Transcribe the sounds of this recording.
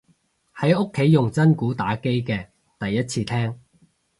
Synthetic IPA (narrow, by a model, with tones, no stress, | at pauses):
hɐ˨˥jʊ˥kʰːe˨˥jːʊ˨˩ŋt͡sɐ˥nkuː˨˥t̪a̰ː˨˥ke˥jkɛː˧ | t̪ɐ˨jːɐ˥t̚t͡sʰiː˧t̪ʰɛː˥ŋ